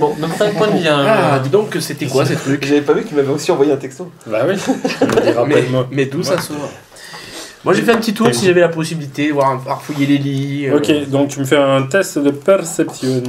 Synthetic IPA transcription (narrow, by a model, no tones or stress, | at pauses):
bɔ̃d̪ɔ̃t̪ɛ̃pwɛ̃vjɛ̃ad̪id̪ɔ̃kəset̪ɛkwasɛt̪χykʒavɛpavykt̪ymavɛosiɑ̃vwajeɛ̃t̪ɛkst̪obawi | ʁamɛid̪mɑ̃mɛd̪usaso | mwaʒefɛ̃pət̪it̪uʁsiʒavɛlapɔsibilit̪ed̪əvwaʁɛ̃paʁfujeleliøokʲed̪ɔ̃k̚t̪yməfɛɛ̃t̪ɛst̪d̪əpɛʁsɛpsjɔ